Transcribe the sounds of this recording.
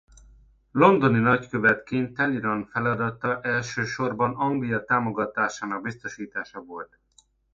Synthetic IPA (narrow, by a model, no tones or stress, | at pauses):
lo̞nd̪o̞ninɒckøvɛt̪kint̪ːɛliɾɒnfɛlɒd̪ɒt̪ɒʔɛlʃøːʃo̞rbɒnɒŋɡlijɒt̪aːmo̞ɡɒt̪aːʃaːnɒɡ̚bist̪o̞ʃiːt̪aːʃɒvo̞lt̪